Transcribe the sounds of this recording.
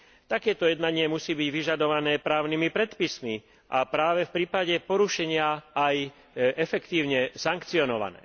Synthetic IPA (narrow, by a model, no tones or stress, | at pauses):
t̪akɛːt̪ɔjɛd̪naɲɪɛmusiːbiɟʋiʒad̪ɔʋanɛːpɾaːʊnimipɾɛt̪pismi | ʔapɾaːʋɛfpɾiːpaɟɛpɔɾuʃɛɲɪaaj | ɛfɛkt̪iːʊɲɛsaŋkt͡siɔnɔʋa̰nɛ̰ː